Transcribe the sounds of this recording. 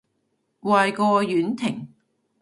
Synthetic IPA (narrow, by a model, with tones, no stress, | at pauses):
waː˨˧jkɔː˧jyː˨˥nt̪ʰɪ˨˩ŋ